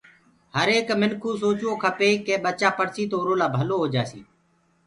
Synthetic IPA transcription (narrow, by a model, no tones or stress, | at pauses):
həɾeːkmɪnkʰuːsoːt͡ʃõːkʰəpeːkeːɓət͡ʃaːpəɽsiːt̪oːɾoːlaːbʱəloːɦoːd͡ʒaːsiː